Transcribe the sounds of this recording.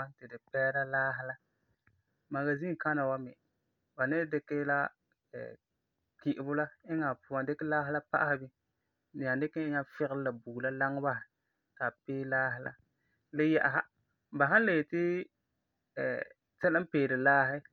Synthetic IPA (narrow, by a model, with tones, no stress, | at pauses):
a˦n˦tɪ˨dɪ˨pɛː˦ɾa˦laː˦ɦɪ˦la˦ | ma˨ɡa˨zi˦˨ka˦na˨wa˦mɛ̰˨ | ba˨nɪ˦dɪ˦kɛ˦la˦ | ɛ̰˨ | ki˨ʔɪ˨bʊ˦la˦ɪ˦ŋa˨pʊ˨a˨ndɪ˦kɪ˦laː˦ɦɪ˦la˦pa̰˦ʔa˦hɪ˦bɪ˦ | nɪ˨ja˨dɪ˦kɛ˦ɲa˦fɪ˦ɣɪ˦lla˨bu˨la˦la˦ŋ˦ba˦ɪ˨ | ka˨peː˦laː˦ɦɪ˨la̰˦ | lɪ˦ja˦ʔa˨ɦa˦ | ba˨ɦa˦n˦le˨tɪ˦ | ɛ̰ː˨ | tɛ˦lɪ˦m˦peː˨dɪ˨laː˦ɦɪ˦